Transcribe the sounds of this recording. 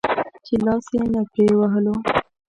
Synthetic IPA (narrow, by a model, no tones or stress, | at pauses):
t͡ʃelɑsjenapɾewaɦəlo